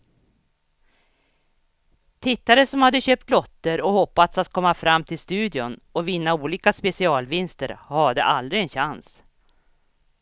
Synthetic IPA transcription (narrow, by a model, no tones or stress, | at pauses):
t̪ʰɪt̪ːaɾəsɔmhad̪ːəɕøːp̚t̪lɔt̪ːəɾɔhɔpːat̪sat̪̚kʰɔmːafɾamːt̪ʰɪlst̪ʉ̟ːd̪ɪʊnɔvɪnːauːliːkaspɛsɪɑːlvɪnst̪əɾhad̪ə̰ʔald̪ɾɪɛnɕans